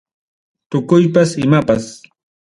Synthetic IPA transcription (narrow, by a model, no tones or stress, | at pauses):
t̪ʊkʊjpasɪmapas